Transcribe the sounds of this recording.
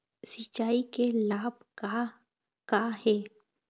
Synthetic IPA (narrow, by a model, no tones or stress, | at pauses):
sɪt͡ʃaːikelaːbka | kahɛː